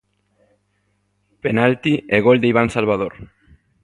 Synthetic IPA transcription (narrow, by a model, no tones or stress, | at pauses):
penalt̪ieɣoeld̪ejβansalβaðoɾ